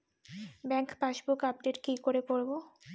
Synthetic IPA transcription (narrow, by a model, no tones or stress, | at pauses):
bɛŋkpaʃbukap̚ɖeʈkikoɾepoɾbo